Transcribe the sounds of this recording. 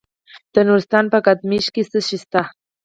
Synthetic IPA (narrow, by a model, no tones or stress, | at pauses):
t̪ənʊɾst̪anpakat̪mɪʃkɪsɨʃɪst̪a